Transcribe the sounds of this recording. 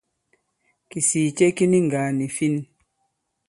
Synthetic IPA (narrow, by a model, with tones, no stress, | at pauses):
ki˨siː˨t͡ʃe˦ki˦ni˦ŋ˨ɡa˨ni˨fi˦n˦